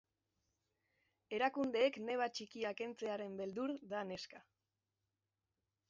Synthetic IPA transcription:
e̞ɾakund̪e̞ːkne̞β̞at͡ʃikiake̞nt͡se̞aɾe̞mbe̞ld̪uɾðane̞ska

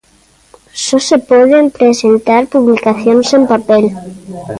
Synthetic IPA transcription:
sosepoðempɾesent̪aɾpuβlikaθjonsempapel

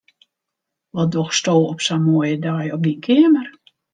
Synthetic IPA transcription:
ʋɔdoxstoːɔpsamojədajɔp̚dinkʰɪəmər

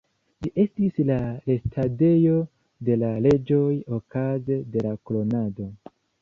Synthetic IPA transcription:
d͡ʒiʔe̞stislale̞stʰade̞jo̞ | de̞lale̞d͡ʒo̞jo̞kaze̞de̞lakolo̞nado̞

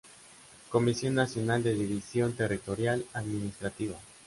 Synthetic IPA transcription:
ko̞misjo̞nːasjo̞nald̪eðiβisjo̞nt̪erit̪o̞ɾjalaðminist̪ɾat̪iβa

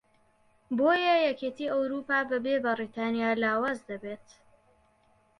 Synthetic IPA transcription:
boːjɐjɛket̪iːɐwɾuːpaːbɐbeːbɐrit̪ʰaːnijaːlaːwaːzd̪ɐbeːt̪

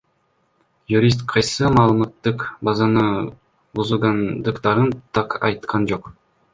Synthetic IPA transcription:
juɾʲist̪qʰɑjsɯmɑːlˠɯmɑt̪ːɯqbɑzɑnɯ | buzulˠɡɑnd̪ɯqt̪ɑɾɯnt̪ʰɑqɑ̰jt̪qʰɑnd͡ʒoq

